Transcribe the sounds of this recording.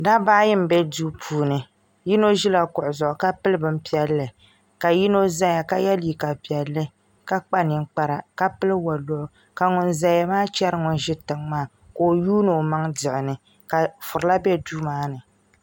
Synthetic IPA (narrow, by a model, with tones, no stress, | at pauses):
da˦ba˦jɪ˦m˨bɛ˦duː˦pʰuː˦nɨ˨ | ji˦no˦ʒɪ˦la˨kʊ˨ʔʊ˨zʊ˨ʔʊ˨ka˦pɨ˦lɨ˦bɨ˦m˦pi˦ɛ˦lːɨ˨ | ka˨ji˦no˦za˦ŋ˦ja˨ka˦jɛ˦li˨ka˨pi˨ɛ˨lːɨ˦ | ka˦k͡pa˦nɨ˨ŋ˦k͡pa˦ɾa˨ka˦pɨ˦lɨ˦wa˨lʊ˦ʔʊ˨ | ka˨ŋʊ˨nza˨ja˦maː˦t͡ʃɛ˦ɾɨ˦ŋʊ˨n˦ʒɪ˦tɨ˨ŋmaː˦˨ | ko˨juː˦nɨ˨ma˦ŋdɪ˨ʔɪ˨nɨ˨ | ka˨fʊ˨ɾla˦bɛ˦duː˦maː˦nɨ˨